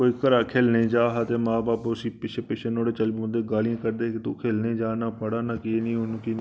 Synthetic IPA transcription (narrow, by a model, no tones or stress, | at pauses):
oːiːkəɾaːkʰeːlneːd͡ʒaːɦət̪eːmãːbaːpʊsiːpɪt͡ʃʰeːpɪʃʰenoːɽeːt͡ʃəliːʊ̃nd̪eːɡaːlijãːkəɾd̪eːkɪt̪uːkʰeːlneːd͡ʒaːnaːpəɽaːnãːkinĩːɦʊnũːkin